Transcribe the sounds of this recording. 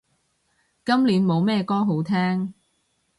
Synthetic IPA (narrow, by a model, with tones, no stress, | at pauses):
kɐ˥mliː˨˥nmo˨˧wmɛː˥kɔː˥ɦo˨˥wt̪ʰɛː˥ŋ